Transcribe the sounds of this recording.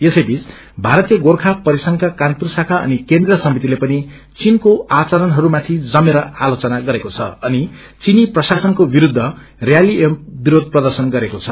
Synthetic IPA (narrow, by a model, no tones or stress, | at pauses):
jesʌjbit͡s | bʱaɾʌt̪ijʌɡorkʰapʌɾisʌŋkakanpursakaʌ̰nikend̪rʌsʌmit̪ilepʌni | t͡sinkoat͡saɾʌnɦʌɾumat̪ʰid͡zʌmeɾʌalot͡sʌnaɡʌɾekot͡sʰʌ̰ʌni | t͡siniprʌsasʌnkobiɾud̪ʱːʌ | rjaliʔempbiɾod̪̚ʱprʌd̪ʌrsʌnɡʌɾekot͡sʰʌ